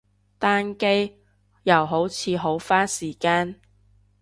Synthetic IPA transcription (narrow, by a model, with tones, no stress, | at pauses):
t̪aː˥nke˥j | jɐ˨˩wɦo˨˥wt͡sʰiː˨˧ɦo˨˥wfaː˥siː˨˩kaː˧˥n